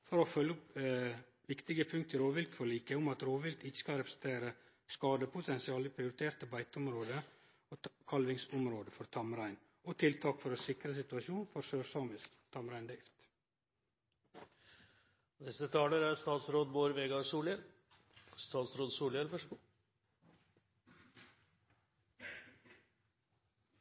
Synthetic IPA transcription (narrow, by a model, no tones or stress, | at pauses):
fɔɾofœlːəʊp | ʋɪkt̪ɪɡəpʰʉŋkt̪əɾoːʋɪlt̪fɔɭiːkəʊmɑt̪ɾoːʋɪlt̪ɪçə̥skɑlɾɛpɾə̥sn̩t̪ʰeːɾə | skɑːd̪əpʰʊt̪ʰɛnsɪɑːləpʰɾɪʊɾɪt̪ʰeːɾt̪əbæɪt̪əʊmɾoːd̪ə | oːkʰɑlʋɪŋsʊmɾoːd̪əfɔɾt̪ʰɑmɾæɪn | ot̪ʰɪlt̪ʰɑːkfɔɾɔsɪkɾəs̬ɪt̪ʉɑʃuːnfɔɾsøːsɑmɪs | t̪ʰɑmɾæɪnd̪ɾɪft̪ | d̪ɛsət̪ʰɑːləɾæɾst̪ɑːt̪sɾoːd̪boːɾʋeːɡɑsuːlɛl | st̪ɑːt̪sɾoːd̪suːlɛlfœʂ